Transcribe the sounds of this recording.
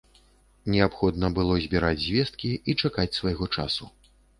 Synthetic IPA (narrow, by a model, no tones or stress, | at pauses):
nʲɛapxɔd̪nɐbɨlˠɔzʲbʲiɾad͡zʲzʲvʲɛst̪̚kʲiit͡ʂakat͡sʲsvajɣɔt͡ʂa̰su